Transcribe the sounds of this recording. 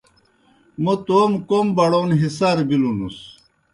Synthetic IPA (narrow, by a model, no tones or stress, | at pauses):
mot̪oːmkombɐɽoːnɦisaɾbilunus